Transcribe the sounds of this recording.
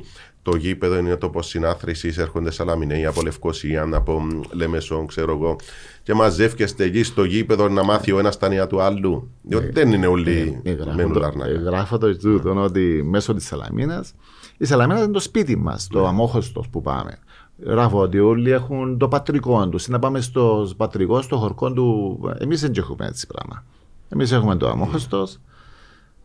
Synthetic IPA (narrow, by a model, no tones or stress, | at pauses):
t̪o̞ʝipe̞ðoininet̪o̞po̞sːinɐθɾisiseɾxond̪esɐlɐminejɐpole̞fko̞siɐnɐpo̞le̞me̞so̞ŋkseɾoeɣo̞ | cemɐze̞fcest̪eʎist̪oʝipeðonːɐmɐθio̞enɐst̪ɐniɐt̪uɐlːu | ðiot̪iðenineolːiɣɾɐmenulɐɾnɐ̰ɣɾɐfot̪ozðut̪onot̪imesot̪isːɐlɐ̰mʔinɐs | is̬ɐlɐminɐsint̪ospit̪imːɐ̰st̪oɐmoxost̪o̞̰spupɐ̰mḛ | ɣɾɐfoot̪iolːiexunt̪opɐt̪ɾiko̞nt̪usinːɐpɐmes̬t̪ospɐt̪ɾiko̞st̪oxoɾko̞nd̪uḛmis̬eɲɟexumḛḛt͡sːi̥pɾɐ̰mɐ̰ | e̞mis̬exumet̪o̰ɐ̰moxost̪os